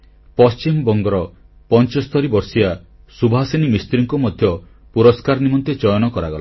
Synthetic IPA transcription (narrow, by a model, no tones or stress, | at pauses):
pɔst͡ʃimbɔŋɡɔɾɔ | pɔnt͡ʃɔst̪ʰɔɾibɔɾsia | subʱɦasinimist̪ɾiŋkumɔd̪ʱjɔ | puɾɔskaɾɔnimɔnt̪et͡ʃɔjɔnɔkɔɾaɡɔla